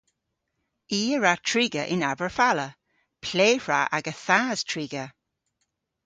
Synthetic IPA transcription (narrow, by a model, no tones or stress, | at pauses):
iːəɹatʰɹiːɡəʔɪnavəɹfalə | pʰleːhɹaʔaɡəθaːz̥tʰɹiːɡə